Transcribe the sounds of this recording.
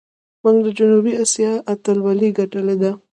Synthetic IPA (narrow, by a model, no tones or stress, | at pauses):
muŋɡd̪əd͡ʒʊnubiasijɑʔat̪alwaliɡaʈəled̪a